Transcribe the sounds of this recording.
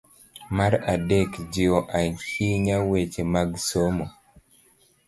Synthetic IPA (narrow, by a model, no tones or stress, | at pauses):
maɾadekd͡ʒɪɔʔahiɲawet͡ʃemaɡsomo